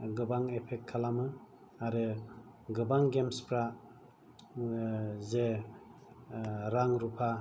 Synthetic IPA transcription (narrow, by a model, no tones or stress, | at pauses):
ɡɯbaŋepʰek̚kʰːalamɯ | aɾɯ | ɡɯbaŋɡemspɾa | ze | ɾaŋɾupʰa